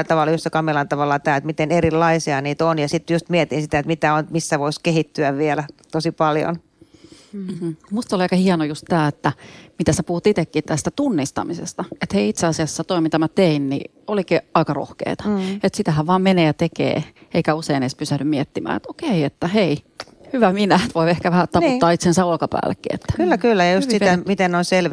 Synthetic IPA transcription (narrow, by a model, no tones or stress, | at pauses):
t̪ɑʋɑlːjust̪ekɑmilɑnt̪ɑʋɑlːɑt̪æːet̪mit̪enerilːɑisiɑniːt̪onjɑsit̪ːjust̪miet̪insit̪æet̪mit̪æont̪misːæʋoiskehit̪ːyæʋʋielæt̪osipɑljo̰n | m̩m̥m̩must̪oliɑˑikɑhiɛnojust̪t̪æːet̪ːæmit̪æsepuhut̪it̪ekːit̪æst̪æt̪unːist̪ɑ̰misḛst̪ɑet̪heiit̪seɑsiɑsːɑt̪oimit̪æmæt̪einnḭ | olikiɑikɑro̰hkḛːt̪ɑ̥et̪sit̪æhæʋʋɑːmmeneːjɑt̪ekḛːeikæuseineispysæhnymmiɛt̪ːimæ̰ːḛt̪okeiet̪ːæhei | hyʋæminæt̪ʋoiehkæʋæhæt̪ɑnput̪ːɑːit̪sensæolkɑpæ̰ːlːḛkːḭːḛt̪ːæ̥kylːækylːæjɑjust̪sit̪æmit̪ennoinselʋ